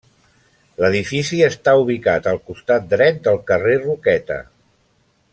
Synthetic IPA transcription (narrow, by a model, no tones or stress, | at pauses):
ləðifisiəst̪auβ̞ikat̪əlˠkust̪at̪̚d̪ɾɛt̪̚d̪əlˠkərerukɛt̪ə̰